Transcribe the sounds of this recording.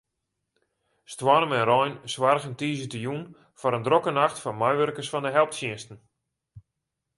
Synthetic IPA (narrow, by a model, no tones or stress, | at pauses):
stwɔrəmɛnrɔjnsʋarɣəntiːzətəjun | fɔɾəndrokənaxtfɔnmajʋørkəsfɔndəɦɛlˠp̚tsjɪənstn̩